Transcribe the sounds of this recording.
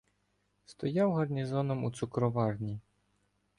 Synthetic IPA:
st̪ɔjawɣɐrnʲizɔnɔmut̪sukɾɔʋarnʲi

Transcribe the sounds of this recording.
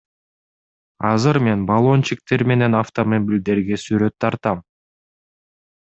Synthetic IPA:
ɑzɯɾme̞nbɑlˠo̞nt͡ʃik̚t̪e̞ɾme̞ne̞naft̪omobʲilʲd̪e̞ɾɡe̞syɾø̞t̪ʰːɑɾt̪ɑm

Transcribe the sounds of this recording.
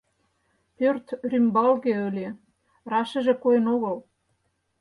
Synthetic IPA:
pørt̪rʲymbɑlɣeølʲe | rɑʃə̆ʒĕkojə̆noɣɤ̆l

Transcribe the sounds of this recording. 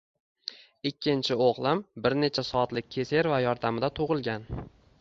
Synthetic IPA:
ɪkʲʰːɪnt͡ʃʰɪoʁlˠambɪɾne̞t͡ʃʰasɒːt̪lɪk̚ʲʰːe̞se̞ɾvajɒɾd̪amɪd̪at̪ʰʊʁɨlˠɡʲan

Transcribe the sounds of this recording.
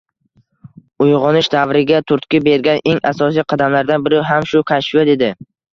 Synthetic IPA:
ʊjʁɒnɪʃd̪avɾɪɡʲat̪ʰʊɾt̪kʲɪbe̞ɾɡʲaneŋasɒsijqʰɑd̪amlaɾd̪anbɪɾawɦamʃʊkʰaʃvad̪e̞d̪ɪ

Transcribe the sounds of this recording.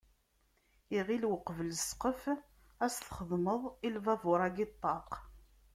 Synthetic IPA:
iʁilwəqːəvələsqəf | æsθχəðˤməðˤilvævʊɾˤæɡɪt̪ˤːɑq

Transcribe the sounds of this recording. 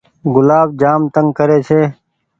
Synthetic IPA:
ɡʊlaːbd͡ʒaːmt̪əŋɡkəɾeːt͡ʃʰeː

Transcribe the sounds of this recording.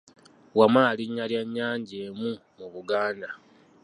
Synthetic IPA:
wamaːliɲːaljaɲːaːɲɟeːmu | muβuɡaːnda

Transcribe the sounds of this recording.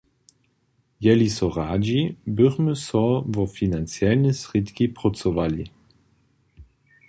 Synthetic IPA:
jɛlisɔʁaːd͡ʑibʏʁməsɔvɔfinant͡sjɛlnɛsʁit̪kipʁɔt͡sɔvalḭ

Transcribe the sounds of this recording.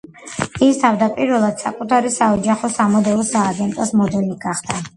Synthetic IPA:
ist̪ʰavd̪apʼiɾvɛlˠad̪̥sa̰kʼut̪ʰaɾisaɔd͡ʒaχɔsamɔd̪ɛɔsaːɡɛnt̪ʼɔsmɔd̪ɛliɡaχd̪̥a

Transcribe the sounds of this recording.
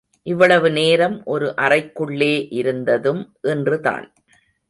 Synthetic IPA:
ʔɪʋːɐɭɐʋɯneːɾɐmʔɔɾɯʔɐrɐɪkːɯɭːeːʔɪɾɯnd̪ɐðɯmʔɛndrɯða̰ːn

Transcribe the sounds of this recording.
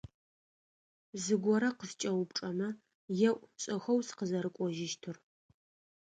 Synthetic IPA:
zɨɡʷɔɾɐqəst͡ʃʼɐwʊp̚ʈ͡ʂʼɐmɐ | jɛʔʷʼɕʼɐxɐwsɨ̥qəzɐɾɨkʷʼɔʒɪʃtʰɨr

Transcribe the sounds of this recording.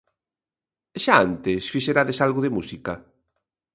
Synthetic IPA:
ʃaant̪ɪsfiʃeɾaðesalɣʊðemusikɐ

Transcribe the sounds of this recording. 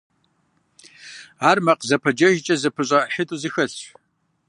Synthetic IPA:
aːrmɐqzɐpʰɐd͡ʒɐʒt͡ʃʼɐzɨpʰɨɕʼɐħɪtʼuzɨxɐɬ

